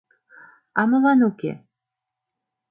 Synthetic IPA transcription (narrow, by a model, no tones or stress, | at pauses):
ɑmɤ̆lɑnukḛ